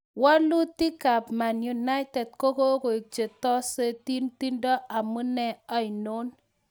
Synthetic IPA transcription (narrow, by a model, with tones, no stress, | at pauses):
wa˦lu˦ti˦ka˨pma˨nju˨na˦ɪ˦tɛ˨d̚ko˦ko˦ko˨i˨t͡ʃe˨tɔ˦se˦ti˦nti˦ndɔ˦ʔa˨mu˦nɛ˦a˦ɪ˨no˦n